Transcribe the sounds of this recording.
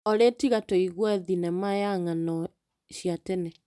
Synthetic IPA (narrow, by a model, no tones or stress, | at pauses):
ɔɾetiɣatɔiɣwɛðinɛmajaŋanɔ | ɕjatene